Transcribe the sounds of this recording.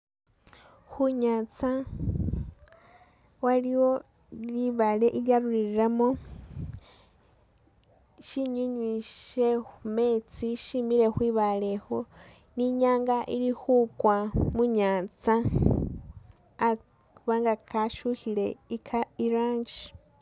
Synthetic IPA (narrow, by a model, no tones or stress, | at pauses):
xuɲat͡sa | waliwo | iβaleʔiɾjaɾuɾiɾiɾamo | ʃiɲuɲwiʃexumet͡siʃimiɾexwiβalexo | niɲaːŋɡaʔiɾixukwamuɲaːt͡sa | a | βaŋɡakʰaʃuhiɺeikʰaiɾaːɲd͡ʒi